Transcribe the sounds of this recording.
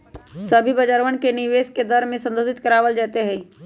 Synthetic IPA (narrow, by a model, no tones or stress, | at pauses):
səbʱibəd͡ʒaɾʋənkenɪʋeːsked̪əɾmẽsə̃nd̪oːd̪ɪt̪kəɾaːʋəld͡ʒɛːt̪eɦɛ̃ː